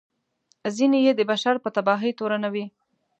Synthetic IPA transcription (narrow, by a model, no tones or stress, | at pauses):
zinejed̪əbaʃaɾpət̪abɑɦit̪oɾanawi